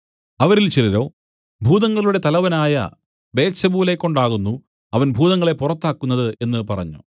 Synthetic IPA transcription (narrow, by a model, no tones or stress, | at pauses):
ɐʋɐɾilt͡ɕiliɾo̞̰ː | bʱuːðɐŋːɐɭuɽe̞t̪ɐlɐʋɐnaːjɐ̰ | be̞ːt̪sɐbuːlekːoɳɖaːɣunːu | ɐʋɐnbʱuːðɐŋːɐɭe̞purɐt̪ːaːkːunːɐðɨʔe̞nːɨpɐrɐ̰ɲːṵ